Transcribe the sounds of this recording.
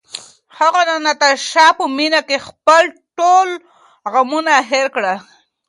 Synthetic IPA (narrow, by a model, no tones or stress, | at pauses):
haɣananat̪aɾʃɑpəminakexpəlʈol | ɣamunaɦeɾkɽa